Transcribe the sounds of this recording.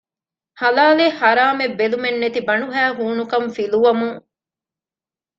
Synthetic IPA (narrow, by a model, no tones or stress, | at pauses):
hɐlaːlehɐɾaːmebːelumenːet̪ibɐɳuɦæːɦuːnukɐmfiluʋɐmuŋ